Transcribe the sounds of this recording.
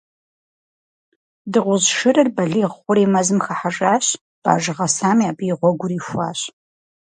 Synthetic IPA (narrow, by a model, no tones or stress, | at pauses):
dɨʁʷʊzʃɨrɨrbɐɮiːʁχʷʊɾeːmɐzɨmxaħaʐaːɕ | b̥a̰ːʒɨʁɐsaːmiaːbiːʁʷɔɡʷʊriːfʷa̰ːɕ